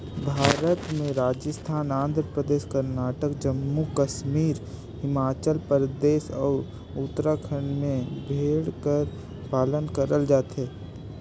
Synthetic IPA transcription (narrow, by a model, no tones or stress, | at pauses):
bʱaːɾət̪mẽɾaːd͡ʒəst̪ʰaːnãːnd̪ɾəpɾəd̪eːʃkəɾnaːʈəkd͡ʒəmːukəʃmiːɾ | hɪmaːt͡ʃəlpəɾd̪eːʃɔːɾ | ut̪ɾakʰəɳɖmẽbʱeːɽkəɾ | paːlənkəɾəld͡ʒaːt̪ɦɛː